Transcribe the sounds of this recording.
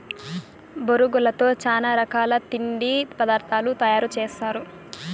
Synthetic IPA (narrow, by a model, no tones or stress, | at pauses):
boɾuɡulɐt̪o̞ːt͡ʃaːnaːɾɐkaːlɐt̪iɳɖipɐd̪aːɾt̪ʰaːlut̪ɐjaːɾut͡ʃeːsaːɾu